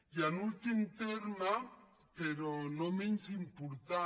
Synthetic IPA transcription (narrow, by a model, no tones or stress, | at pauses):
janut̪ɪnt̪eɾma | peɾonomɪnsimpuɾt̪a